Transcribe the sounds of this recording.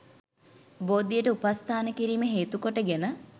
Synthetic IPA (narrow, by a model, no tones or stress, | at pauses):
boːd̪ijəʈəupast̪ʰaːnəkiɾiːmeɦeːt̪ukoʈəɡenə